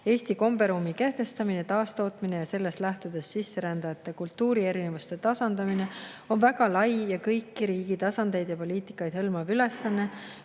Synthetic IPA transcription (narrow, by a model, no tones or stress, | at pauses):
e̞ːst̪iko̞mb̥e̞ɾumːike̞ht̪e̞st̪ɑminet̪ɑːst̪o̞ːt̪mine̞jɑse̞lːe̞st̪læht̪ud̪̥e̞sːisːe̞ɾænd̪̥ɑjɑt̪ːˑe̞kult̪ːuːɾie̞ɾinevust̪e̞t̪ɑsɑnd̪̥ɑmine̞ | o̞nvæɡɑlɑjjɑkɤjkːiɾiːɡ̥it̪ɑsɑnd̪e̞jd̪̥jɑpo̞liːt̪ˑi̥kːˑɑjd̪̥hɤlmɑvyle̞sːɑnːe̞